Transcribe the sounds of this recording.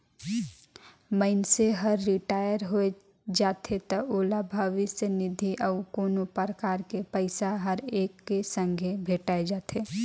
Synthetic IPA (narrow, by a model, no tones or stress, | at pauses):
məɪnseɦəɾːɪʈaːjəɾɦoe | d͡ʒaːt̪ʰet̪ɐʔoːlabʱaːʋisenɪd̪ʱiʔəʊkoːnopəɾəkaːɾkepəɪsaɦəɾeːkːesə̃ŋɡʱebʱeːʈaːed͡ʒaːt̪ʰe